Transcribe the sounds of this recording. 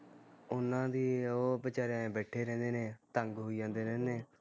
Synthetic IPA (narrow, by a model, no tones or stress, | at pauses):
ʊnãːd̪iːoːbət͡ʃaːɾãbɛːʈʰeːɾɛ̃ːnd̪eːneːt̪əŋɡɦoiːd͡ʒãːnd̪eːɾɛ̃ːneː